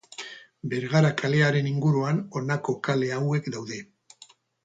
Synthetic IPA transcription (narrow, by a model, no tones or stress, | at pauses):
be̞ɾɣaɾakale̞aɾe̞niŋɡuɾuano̞nako̞kale̞awe̞kd̪awðe̞